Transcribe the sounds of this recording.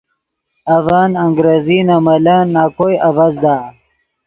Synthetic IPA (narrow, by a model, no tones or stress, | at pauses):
ɐvaːnɐŋɡɾezinamɐlanːaːkojɐvazd̪a